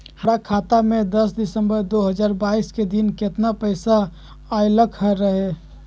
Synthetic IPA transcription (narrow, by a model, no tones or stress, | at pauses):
həɾakʰat̪amẽd̪əsd̪ɪsə̃mbəɾd̪oɦəd͡ʒaːɾbaːisked̪inket̪napəɪsa | ajləkʰɦəɾəɦe